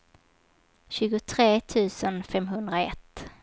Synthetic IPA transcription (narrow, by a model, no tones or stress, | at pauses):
ɕʉ̟ːɡʊt̪ʰɾeːt̪ʰʉ̟ːsənfɛmɦɵnd̪ɾaɛ̰t̪ː